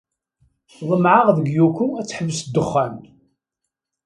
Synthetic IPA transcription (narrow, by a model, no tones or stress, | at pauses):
ðˤəmʕaʁðəɡjukuæt͡sːħəvəsd̪ːəχːæn